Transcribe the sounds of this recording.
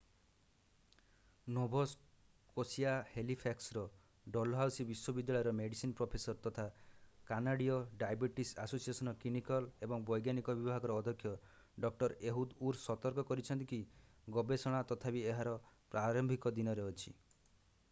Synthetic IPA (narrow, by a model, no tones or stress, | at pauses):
nɔbʱɔs | kosiahelipʰaksɾɔ | ɖɔlɦawsibiswɔbid̪ːaɭɔjɾɔmeɽisinpɾopʰesɔɾt̪ɔt̪ʰakanaɽiɔɖajbiʈisasosiesɔnɔkimikɔlebɔŋbɔjɡjanikɔbibʱaɡɔɾɔːd̪ʱɔkʰːjɔ | ɖɔk̚ʈɔɾeɦud̪uɾsɔt̪ɔɾkɔkɔɾit͡ʃʰɔnt̪iki | ɡɔbesɔɽ̃at̪ɔt̪ʰabieɦaɾɔpɾaɾɔmbʱikɔd̪inɔɾeɔt͡ʃʰi